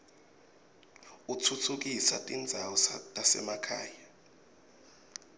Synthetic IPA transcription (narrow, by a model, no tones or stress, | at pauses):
utʰutʰuk̬isatʼind͡zʱawɔstʼasɛ̰makʰa̰ːja